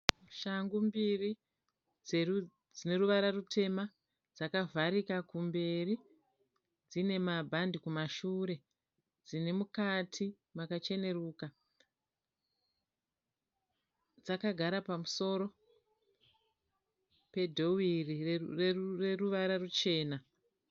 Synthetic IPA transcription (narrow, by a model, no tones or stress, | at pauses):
ʃaŋɡumbiri | d͡ze | d͡zine̞ruʋaɾarutʰe̞ma | d͡zakavʱaɾikakumbe̞ri | d͡zine̞mabʱandikumaʃuːɾe̞ | d͡zine̞mukatʰi | makat͡ʃe̞ne̞ruːka | d͡zakaɡʱaɾapamuso̞ɾo̞ | pe̞dʱo̞wirirereruʋaɾarut͡ʃe̞ːna